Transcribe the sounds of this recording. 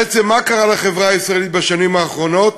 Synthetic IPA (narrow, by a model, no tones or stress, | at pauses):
et͡semːakaʁalaχe̞vʁaaisʁaelit̪baʃanimaːχʁo̞no̞t̪